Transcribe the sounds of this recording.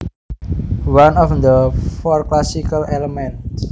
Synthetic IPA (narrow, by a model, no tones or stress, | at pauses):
wanɔfd̪əfɔrklasikaleləmɛ̃nt